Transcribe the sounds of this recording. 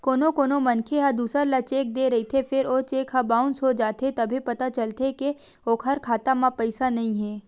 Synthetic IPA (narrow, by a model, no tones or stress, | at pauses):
koːnõkoːnomɐnkʰeɦad̪uːsəɾlat͡ʃeːk̚d̪eɾɐɦit̪ʰefʰɪɾoːt͡ʃeːkɦɐbaːʊ̃nsɦod͡ʒaːt̪et̪ɐbʱipɐt̪at͡ʃɐlt̪eke | oːkʰɦɐɾkʰaːt̪amãpɛɪsanɐɦĩɦɛː